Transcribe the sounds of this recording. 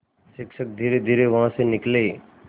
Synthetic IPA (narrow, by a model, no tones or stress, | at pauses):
sɪkʃək̚d̪ʱiːɾed̪ʱiːɾeʋɐɦãsẽnɪkle